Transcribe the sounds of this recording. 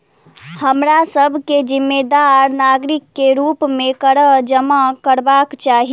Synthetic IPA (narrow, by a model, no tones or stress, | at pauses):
həmɾasəbʱked͡ʒimːed̪aɾnaɡɾikːeɾupmekəɾəd͡ʒəmakəɾbakt͡ʃaɦi